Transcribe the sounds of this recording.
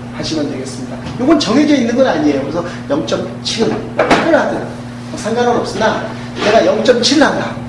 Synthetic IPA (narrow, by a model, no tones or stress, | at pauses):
haɕʰimjʌntwe̞ɡe̞s͈ɯmɲida | joɡʌnt͡ɕʌɡid͡ʑeinːɯnɡʌnaɲie̞jokɯɾesʰʌ | jʌŋt͡ɕ͈ʌm | t͡ɕʰiɡɯmpʰaɾɯɭɦadɯ | ʌsʰaŋɡaɾonʌp̚s͈ɯna | ne̞ɡajʌŋt͡ɕ͈ʌmt͡ɕʰiɭːanda